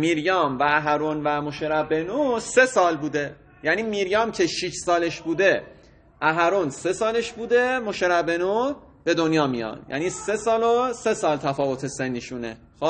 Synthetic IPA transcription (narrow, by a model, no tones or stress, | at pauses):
miːɾjɒːmvæːɦæɾunvæmoʃeɾæbenuse̞sɒːlbuːd̪e̞ | jæniːmiːɾjɒːmcʰe̞ʃiʃsɒːle̞ʃbuːd̪e̞ | ʔæɦæɾunse̞sɒːleʃbuːd̪e̞moʃeɾæbe̞nu | b̥e̞d̪onjɒːmḭjɒ̰njæ̰niːse̞sɒːlose̞sɒːlt̪ʰæfɒːvo̞t̪ʰe̞send̪iʃunḛ | xo